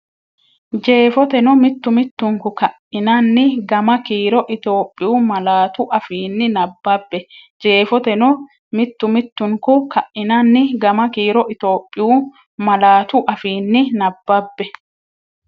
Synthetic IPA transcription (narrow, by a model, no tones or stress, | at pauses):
d͡ʒe̞ːfɔt̪ɛnɔmɪt̪ːʊmɪt̪ːʊŋkʊkɐʔɪnɐnːɪɡɐmɐkiːɾɔʔɪt̪o̞ːpʼːɪjuːmɐlaːt̪ʊʔɐfiːnːɪnɐbːɐbːɛ | d͡ʒe̞ːfɔt̪ɛnɔ | mɪt̪ːʊmɪt̪ːʊŋkʊkɐʔːɪnɐnːɪɡɐmɐkiːɾɔʔɪt̪o̞ːpʼːɪjuː | mɐlaːt̪ʊʔɐfiːnːɪnɐbːɐbːɛ